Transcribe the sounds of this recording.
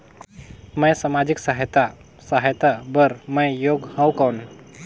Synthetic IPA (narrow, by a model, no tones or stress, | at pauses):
mə̃jsamad͡ʑiksaɦjt̪a | saɦjt̪abəɾməjjoɡhə̃wkəwn